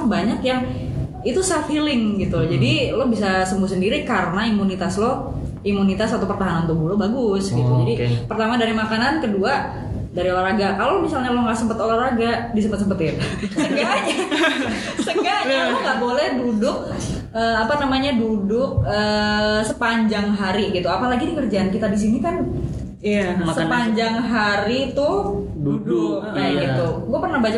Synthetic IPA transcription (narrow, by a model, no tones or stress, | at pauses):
baɲakjaŋ | it̪usafilɪŋɡit̪ud͡ʒadilobis̬asəmbuhs̬əndiɾikaɾənaimunit̪aslo | imunit̪asat̪opərt̪aɦanant̪ubulobaɡʊsɡit̪ud͡ʒadipərt̪amadaɾimakanankədua | daɾiolaraɡakalowmisalɲaloŋɡaʔsəmpət̪olaraɡadis̬əmpət̪səmpət̪ɪrsəɡaɦɲa | səɡaaaŋɡaʔbolɛhdudʊk̚ | əapanamaɲadudʊk̚əːsəpaɲd͡ʒaŋɦaɾiɡit̪uapalaɡidikərd͡ʒaʔankit̪adis̬inikan | ijasəpaɲd͡ʒaŋɦaɾit̪ʊ | dudʊkaɡit̪uɡuapərnahbat͡ʃa